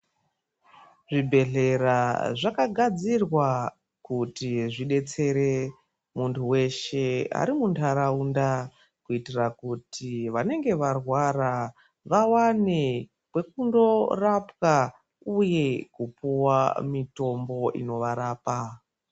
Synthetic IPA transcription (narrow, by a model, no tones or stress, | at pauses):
ʐibʱe̞ɮe̞ɾaʐakaɡʱad͡zirwa | kutiʐiɗe̞t͡se̞ɾe̞ | muntʰuwe̞ʃe̞a̰ɾimuntʰaɾaunda | kuitirakutʰiʋane̞ŋɡe̞ʋarwara | ʋawane | kwe̞kundo̞rapka | uje̞kupuwa̰mito̞mbo̞ḭno̞ʋaɾaːpa